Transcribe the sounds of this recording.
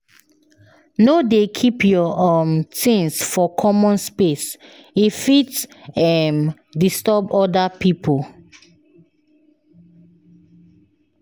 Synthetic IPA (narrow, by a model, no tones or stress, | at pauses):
nodekʰipʰjɔɔmtĩŋsfɔkʰɔmɔ̃nspes | ifitsɛm | distɔbɔdapipʰol